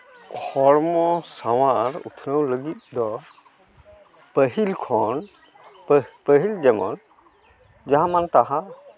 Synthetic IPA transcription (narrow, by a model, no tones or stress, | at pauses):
kʰɔɾmɔsawaɾṵt̪ʰnəwləɡit̪̚d̪ɔ | pəɦilkʰɔn | pəɦild͡ʒɛmɔn | d͡ʒaɦamant̪aɦa